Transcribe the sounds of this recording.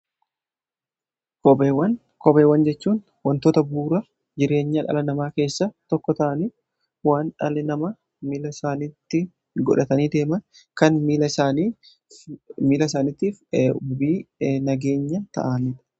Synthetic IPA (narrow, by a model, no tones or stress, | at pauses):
kɔbeːwɐn | kɔbeːwːɐnd͡ʒɛt͡ʃːuːn | wɐnt̪oːt̪ɐbuːɾɐ | d͡ʒɪɾe̞ːɲːɐᶑɐ̰lɐnɐmaːke̞ːsːɐt̪ɔkːɔt̪ɐʔɐniː | waːnᶑɐlɪnɐmɐ | mɪlɐsaːnɪt̪ːɪ | ɡɔᶑɐt̪ɐniːd̪e̞ːmɐn | kɐnmiːlɐsaːniː | miːlɐsaːnɪt̪ːiːfʊbiːnɐɡe̞ːɲːɐt̪ɐ̰ʔaːnɪᶑ̪ɐ̥